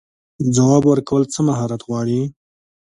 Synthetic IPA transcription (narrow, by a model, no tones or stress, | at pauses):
d͡zawɑːbwəɾkawəlt͡səmaɦɑːɾat̪ɣwɑːɽi